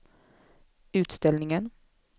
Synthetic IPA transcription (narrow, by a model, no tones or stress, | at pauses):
ʉ̟ːt̪st̪ɛlnɪŋən